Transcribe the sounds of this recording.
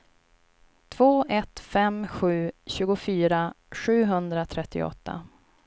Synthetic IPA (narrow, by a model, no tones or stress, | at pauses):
t̪ʰv̥oːʔɛt̪fɛmɧʉ̟ːɕʉ̟ːɡʊfyːɾa | ɧʉ̟ːɦɵnd̪ɾat̪ʰɾɛt̪ʰːɪ̰ɔ̰t̪ːa̰